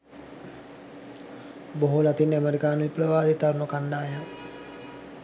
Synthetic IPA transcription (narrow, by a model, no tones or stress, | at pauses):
boɦulat̪inːeameɾikaːnʋipɾəʋaːd̪it̪arməkaɳɖaːja